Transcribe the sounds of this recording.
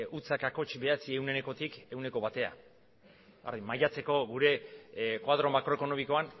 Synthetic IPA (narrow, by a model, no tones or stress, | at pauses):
ut͡sakakot͡ʃbe̞at͡sie̞wne̞ne̞ko̞t̪ike̞wne̞ko̞βat̪e̞a̰ | a̰ɾðimajat͡se̞ko̞ɣuɾe̞kwaðɾo̞makɾo̞e̞kono̞miko̞an